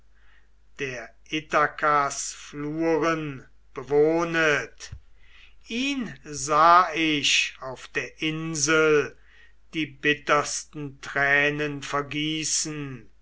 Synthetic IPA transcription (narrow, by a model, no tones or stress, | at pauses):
d̥eːɐʔɪtakasfluːʁən | b̥əvoːnət | ʔiːnzaːɪʃaʊfd̥eːɐʔɪnzəl | d̥iːbɪtɐstn̩tʁɛːnənfɛɐɡiːsn̩